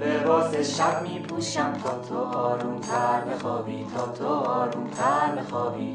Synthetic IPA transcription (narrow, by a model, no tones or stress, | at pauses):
bebɒːseʃæb̚miːpʰuːʃæmt̪ʰɒːt̪ʰoɒːɾunt̪ʰæɾmexɒːbiːt̪ʰɒːt̪ʰoɒːɾunt̪ʰæɾmexɒːbiː